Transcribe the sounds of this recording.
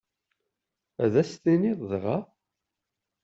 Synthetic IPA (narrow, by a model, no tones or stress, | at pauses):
æðæst̪iniðˤðʁɑ